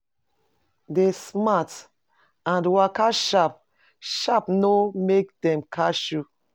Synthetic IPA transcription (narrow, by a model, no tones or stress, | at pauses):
desmat | ãndwakaʃap̚ | ʃapnomek̚dɛ̃mkʰaʃu